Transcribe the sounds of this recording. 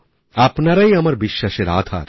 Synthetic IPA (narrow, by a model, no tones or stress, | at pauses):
apnɐɾɐiɐmɐɾbiʃːɐʃeɾa̰ːd̪ʰʱa̰ːɾ